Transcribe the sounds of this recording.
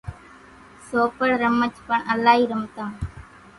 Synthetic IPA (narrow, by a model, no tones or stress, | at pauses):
soːpəɽɾəmət͡ʃʰpəɳʔəlːaːɦiːɾəmt̪ãːɳ